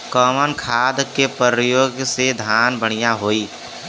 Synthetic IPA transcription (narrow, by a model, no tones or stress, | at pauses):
kɔːmənkʰaːd̪kepəəjoːɡsed̪ʱaːnbəɽ̃ijaɦoːiː